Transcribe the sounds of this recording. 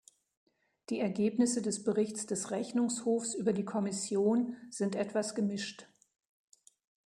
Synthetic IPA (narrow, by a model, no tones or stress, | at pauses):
d̥iːɛɐɡeːpnɪsədɛsb̥əʁɪçt͡sd̥ɛsʁɛçnʊŋshoːfsʔyːbɐdiːkʰɔmɪsjoːnz̥ɪntʔɛtv̥asɡ̥əmɪʃt